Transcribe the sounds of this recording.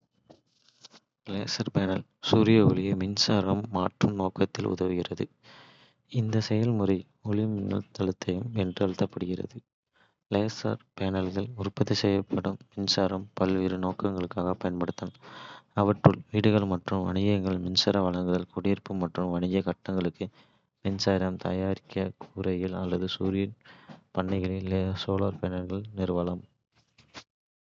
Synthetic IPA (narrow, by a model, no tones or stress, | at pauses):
leːsɐɾpɛnɐl | suːɾɪjɐʊ̰lɪjɐmɪnsaːɾɐmːaːʈrɯmnoːkɐt̪ːɪlʔʊ̰ðɐʋɯɣɪrɐðɯ | ɪnd̪ɐsɛjɐlmʊrɐɪ | ɔɭɪmɪŋɡɐ̰ɭt̪ʰɐɭɯt̪ːɐjɯmɛndrɯɐɻɯt̪ːɐpːɐɽɯɣɪrɐ̰ðɯ | leːsɐ̰ɾpenɐlɣɐlʊrpɐðisɛjɐpʰːɐɽɯmːɪnsaːɾɐmpɐlʋiːɾɯnoːkɐŋɡɐɭɯkːaːɣɐpːɐjɐnpɐɽɯt̪ːɐnɐʋɐʈrɯlʋiːɽɯɣɐɭmɐʈrɯmʋɐɳɪɣɐŋɡɐɭmɪnsɐɾɐʋɐɭɐŋɡɯðɐlkʊɽɪjɪrpɯmːɐʈrɯmʋɐɳɪɣɐkɐʈːɐŋɡɐɭɯkːɯ | mɪnsaːɾɐmt̪ʰɐ̰jaːɾɪkːɐkʰuːɾɐjɪlɐlːɐðɯsuːɾɪjɐnpɐɳːɪɣɐɭɪlesoːlaːɾpɛːnɐlɣɐɭnɪɾɯʋɐlɐm